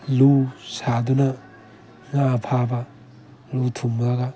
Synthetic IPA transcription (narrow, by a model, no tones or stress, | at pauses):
lusadunɐ | ŋapʰabɐ | lutʰumɾaɡɐ